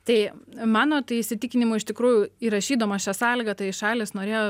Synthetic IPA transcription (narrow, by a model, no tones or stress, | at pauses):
t̪ɐɪmɑːnoːt̪ɐɪɪʃʲsʲɪt̪ʲɪkʲɪnʲɪmʊɪɪʃt̪ʲɪkɾuːjʊiːɾɐʃʲiːd̪oːmɐʃʲæsɑːlʲɪɡɐt̪ɐɪʃɑːlʲɪsnoːɾʲeːjoː